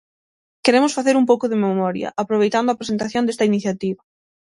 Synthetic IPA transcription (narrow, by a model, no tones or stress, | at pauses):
keɾemʊsfaθeɾumpowkʊðememɔɾjɐ̰ʔapɾoβejt̪and̪oapɾesent̪aθjõnd̪est̪ɐiniθjat̪iβɐ